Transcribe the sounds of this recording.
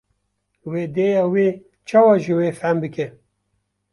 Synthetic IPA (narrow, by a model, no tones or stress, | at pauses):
weːd̪eːjaːweː | t͡ʃʰaːwaʒɨweːfæmbɨke